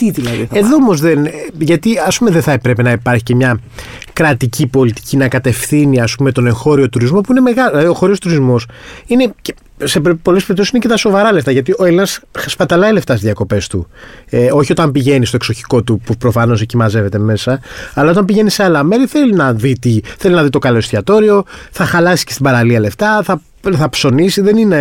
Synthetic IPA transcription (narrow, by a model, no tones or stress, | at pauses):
t̪iðilɐðḭeðoomo̞zðenʝɐt̪iɐspumeðenθɐepɾe̞penɐipɐɾçicemɲɐ | kɾɐt̪icipo̞lit̪i̥cʰinɐkɐt̪e̞fθiniɐspumet̪o̞ne̞ŋxo̞ɾio̞t̪uɾizmo̞puine̞me̞ɣɐllɐðio̞xo̞ɾio̞st̪uɾizmo̞sine̞ce | seppo̞les̬peɾipt̪osisinecet̪ɐso̞vɐɾɐle̞ft̪ɐʝɐt̪io̞elinɐsspɐt̪ɐlɐile̞ft̪ɐsizðiɐko̞pe̞st̪ṵeoçio̞t̪ɐmpiʝe̞nist̪o̞ekso̞çi̥ko̞t̪upupɾo̞fɐno̞zecimɐze̞ve̞t̪e̞me̞sɐːlɐo̞t̪ɐmpiʝe̞nise̞alɐme̞ɾiθe̞linɐðit̪iθe̞linɐðit̪o̞kɐlo̞st̪iɐt̪o̞ɾio̞θɐxɐlɐsi̥scest̪ibɐɾɐliɐle̞ft̪ɐθɐ | θɐpso̞nisiðe̞nine̞